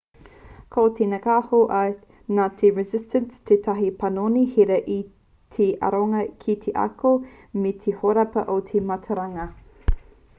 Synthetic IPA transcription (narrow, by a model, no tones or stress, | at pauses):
kʰawtʰenɐkaːhoʔɐ | naːtʰeɹɛzɪstənstʰetʰɐɦipɐnonihiɾɐʔi | tʰeʔɐ̰ɾoŋɐkʰitʰeʔɐ̰ko | met̪ʰehoɾɐpɐʔotʰemɐtʰɐɾɐŋɐ